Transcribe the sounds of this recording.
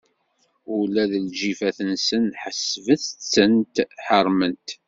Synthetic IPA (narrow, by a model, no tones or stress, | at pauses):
ulæðəlʒifæθənsənħəsvəθət͡sːənt̪ħəɾˤmənt̪